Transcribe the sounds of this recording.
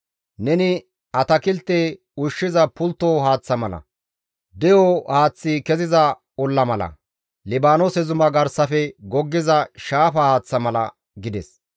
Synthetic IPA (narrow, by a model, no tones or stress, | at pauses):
nɛnɪ | ɐt̪ɐkɪlt̪ːe | ʊʃːɪzɐpʊlt̪ːoːɦaːt͡sːɐmɐlɐ̰ | d̪ɛjohaːt͡sːɪkɛzɪzɐ | ɔlːɐmɐlɐ̰ | lɪbaːnosɛzʊmɐɡɐɾsɐfɛɡɔɡːɪzɐʃaːfɐhaːt͡sːɐmɐlɐ̰ | ɡɪd̪ɛs